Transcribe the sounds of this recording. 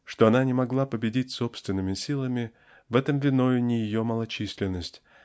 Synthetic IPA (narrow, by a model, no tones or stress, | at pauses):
ʂt̪oɐnanʲɪmɐɡlˠapəbʲɪdʲitʲso̞pst̪vʲɪnːɨmʲɪsʲilˠəmʲɪ | vɛt̪əmvʲɪno̞jʊnʲɪjɪjo̞məlˠɐt͡ɕisʲlʲɪnːəsʲtʲ